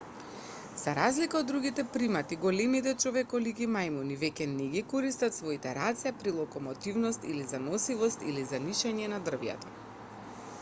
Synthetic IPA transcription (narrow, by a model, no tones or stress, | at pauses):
zaɾazlikaod̪ːɾuɡit̪ɛpɾimat̪iɡɔlɛmit̪ɛt͡ʃɔvɛkɔlikimajmunivɛcʲɛnɛɡikɔɾist̪at̪svɔit̪ɛɾat̪siapɾilˠɔkɔmɔt̪ivnɔst̪ilizanɔsivɔst̪ḭlizaniʃaɲɛnad̪r̩vjɛ̰t̪ɔ